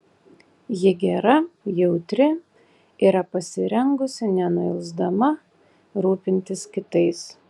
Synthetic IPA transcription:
jɪɡʲɛɾɐjɛʊt̪ʲɾʲɪ | iːɾɐpɐsʲɪɾʲɛŋɡʊsʲɪnʲɛnʊɪlʲˠzd̪ɐmɐ | ɾuːpʲɪnʲt̪ʲɪskʲɪt̪ɐɪs

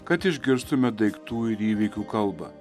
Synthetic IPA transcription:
kɐt̪ɪʒʲɡʲɪɾst̪ʊmʲɛd̪ɐɪkt̪uːɪɾiːʋʲikʲuːkɐlˠbɐ̰

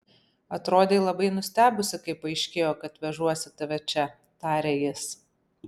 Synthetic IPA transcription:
ɐt̪ɾoːd̪ʲeɪlˠɐbɐɪnʊsʲt̪ʲæːbʲʊsʲɪkɐɪpɐɪʃʲkʲeːjoːkɐt̪ʋʲɛʒuɔsʲɪt̪ɐʋʲɛt͡ʃʲɛ | t̪ɑːɾʲeːjɪs

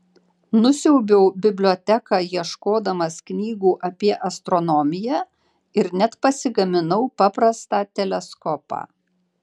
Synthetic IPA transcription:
nʊsʲɛʊbʲɛʊbʲɪbʲlʲoːt̪ʲækɑːjiɛʃkoːd̪ɐmɐsknʲiːɡuːʔɐpʲiɛʔɐst̪ɾɔnɔmʲɪjæ | ɪɾnʲɛt̪pɐsʲɪɡɐmʲɪnɐʊpɑpɾɐst̪ɑːt̪ʲɛlʲɛskɔpɑ̰ː

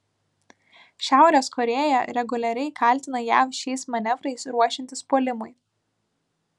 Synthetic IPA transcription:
ʃʲæˑʊɾʲɛːskɔɾʲeːjɛ̰ɾʲɛɡʊlʲɛɾʲɛɪkʰɐˑlʲˑt̪ʲɪnɐjæ̰fʃʲɛɪsmɐnʲɛʋɾɐɪsɾuɔʃʲɪnʲt̪ʲɪspoːlʲɪmʊɪ

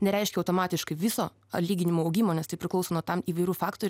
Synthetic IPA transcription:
nʲɛɾʲɛɪʃʲkʲɛɐʊt̪oːmɑːt̪ʲɪʃkɐɪʋʲɪsoː | ɐ̰tlʲiːɡʲɪnʲɪmoːɐʊɡʲimoːnʲɛst̪ɐɪpʲɾʲɪklˠɐʊsoːnoːt̪ɐmiːʋɐɪɾʲufɑːkt̪oːɾʲ

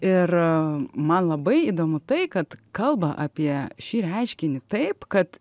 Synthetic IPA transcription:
ɪr | mɐnlˠɐbɐɪiːd̪oːmʊt̪ɐɪkɐt̪kɐlˠbɐʔɑːpʲiɛʃʲiːɾʲɛɪʃʲkʲɪnʲɪt̪ɐɪpkɐt̪

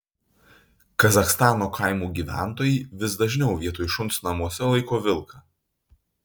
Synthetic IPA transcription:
kɐzɐxst̪ɑːnoːkʰɑɪmuːɡʲiːʋʲæ̰ˑnt̪oːjiːʋʲɪsd̪ɐʒʲnʲɛʊʋʲiɛt̪oːjɪʃʊnt̪snɐmuɔsʲɛlˠɐɪkoːʋʲɪlˠkɑ

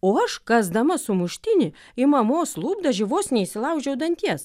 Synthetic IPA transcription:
oːɐʃkɐsd̪ɐmɐsʊmʊʃʲt̪ʲɪnʲɪ | ɪmɐmoːslˠuːbd̪ɐʒʲɪʋoːsnʲɛisʲɪlˠɐʊd͡ʒʲɛʊd̪ɐnʲt̪ʲiɛs

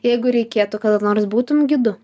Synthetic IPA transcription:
jɛɪɡʊɾʲɛɪkʲeːt̪ʊkɐt̪ɐnoːɾsbuːt̪ʊmɡʲɪd̪ʊ

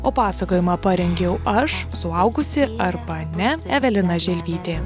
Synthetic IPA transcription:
oːpɑːsɐkoːjɪmɑːpɐɾʲɛŋʲɡʲɛʊɐʃsʊɐʊɡʊsʲɪɐɾbɐnʲɛɛʋʲɛlʲɪnɐʒʲɛlʲʋʲiːt̪ʲeː

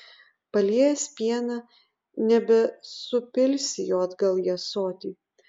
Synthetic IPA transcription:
pɐlʲiɛjɛsʲpʲiɛnɑ | nʲɛbʲɛsʊpʲɪlʲsʲɪjoːɐd̪ɡɐlˠjiɛsoːt̪ʲiː

